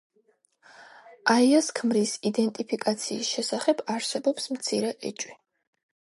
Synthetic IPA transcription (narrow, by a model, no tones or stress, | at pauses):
aiaskʰmɾisid̪ɛnt̪ʼipʰikʼat̪sʰiːsʃɛsaχɛbaɾsɛbɔpsmt̪sʰiɾɛʔɛ̰t͡ʃʼwi